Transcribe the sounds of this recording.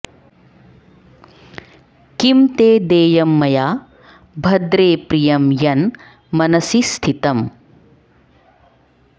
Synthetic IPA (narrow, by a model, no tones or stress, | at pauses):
kimt̪eːd̪eːjɐmːɐjaː | bʱɐd̪ɾeːpɾijɐmjɐn | mɐnɐsist̪ʰit̪ɐm